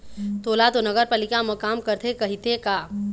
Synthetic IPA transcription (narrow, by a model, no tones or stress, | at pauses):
t̪oːlat̪onɐɡəɾpaːlɪkamɐkaːmkɐɾt̪ʰekɐɦit̪ʰekaː